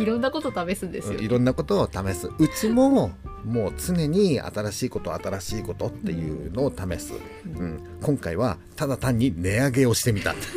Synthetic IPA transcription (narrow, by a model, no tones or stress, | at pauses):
iɾõ̞nːako̞t̪ot̪ame̞sɨ̃nd̪eɨjiɾõ̞nːako̞t̪o̞ːt̪ame̞sɨɯ̟t͡ɕimo̞mo̞ːt͡sɨne̞ɲ̟ia̰t̪aɾaɕiːko̞t̪o̞at̪aɾaɕiːko̞t̪o̞t̪ːe̞jɯ̟̰ːno̞ːt̪ame̞sɨ̰ | ɯ̟̃ɴ | kõ̞ŋkaiβ̞a | t̪ad̪at̪ãɲ̟ːine̞aɡe̞o̞ɕi̥t̪e̞mʲit̪a̰